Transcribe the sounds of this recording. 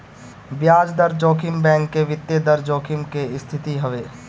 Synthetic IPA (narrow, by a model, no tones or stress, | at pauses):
bjaːd͡ʒd̪əɾd͡ʒoːkʰɪmbɛ̃ːŋkːeʋɪt̪ːjed̪ɐɾd͡ʒoːkʰɪmkeɪst̪ʰɪt̪iɦəʋeː